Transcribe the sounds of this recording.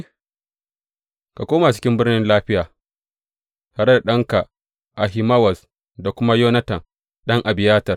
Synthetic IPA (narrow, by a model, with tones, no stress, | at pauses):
ka˨kʷoː˦ma˨t͡ʃɪ̥˦kʲɪ˦mbɪ˦rnɪ˦nlaː˦ɸɪ˦jaː˨ | hɐ˦ɾɐ˦rɗɐ˦ŋka˨ | ʔa˨ɦɪ˨mɐ˦wɐ˨s | da˨kʷʊ˦ma˦joː˦nɐ˦tɐ˨ŋ | ɗɐ˦ŋʔa˨bɪ˨jaː˦tɐ˨r